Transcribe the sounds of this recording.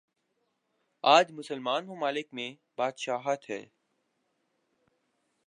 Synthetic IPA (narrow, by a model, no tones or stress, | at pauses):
aːd͡ʒmʊsəlmaːnmʊmaːlɪkmẽ | baːd̪ʃaːɦət̪ɦɛ̰ː